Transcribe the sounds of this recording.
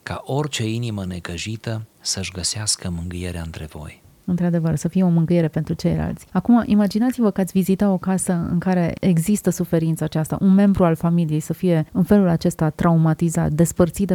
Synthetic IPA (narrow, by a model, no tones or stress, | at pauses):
ka̰ʔo̞rt͡ʃe̞iniməne̞kəʒit̪əsəʃɡəseaskəmɨŋɡɨjeɾea̰ɨnt̪ɾe̞vo̞̰j | ɨnt̪ɾad̪e̞vərsəfijeo̞mɨŋɡɨje̞ɾe̞pe̞nt̪ɾut͡ʃe̞̰jla̰lt̪sʲakumaʔimad͡ʒinat̪sivəkəat̪ʲvizit̪at̪o̞kasəɨ̰ŋkaɾe̞eɡzist̪əsufe̞ɾint̪səat͡ʃast̪a̰ʔunme̞mbɾualfamilije̞jsəfije̞ɨnfe̞lulat͡ʃe̞st̪at̪ːɾʔaumat̪iza̰t̪̚d̪e̞spərt̪sit̪